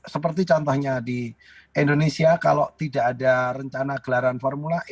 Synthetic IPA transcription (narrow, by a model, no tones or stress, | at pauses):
səpərt̪it͡ʃɔnt̪ɔhɲadi | indonesiaka̰loʔt̪idaʔːdarəɲt͡ʃanaɡ̥əlaɾanfɔrmula